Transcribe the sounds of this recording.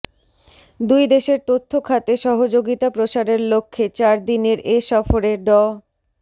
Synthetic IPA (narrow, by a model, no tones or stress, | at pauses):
d̪ujd̪eʃeɾt̪ot̪ʰːokʰat̪eʃɔɦod͡ʑoɡit̪apɾoʃaɾeɾlokʰːet͡ɕaɾd̪ineɾʔeʃɔfoɾeɖɔ